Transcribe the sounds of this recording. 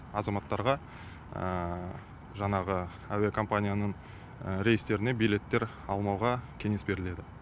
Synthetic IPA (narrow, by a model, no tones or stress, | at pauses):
ɑzɑmɑt̪ːɑɾʁɑ | ə | ʒɑɴɑʁə | æwekʰo̞mpanʲijanəɴ | ɾe̞jəst̪e̞ɾɪne̞bijle̞t̪ːe̞ɾ | ɑlˠmɑwʁɑkʲʰe̞ŋe̞sbe̞ɾɪle̞d̪ɪ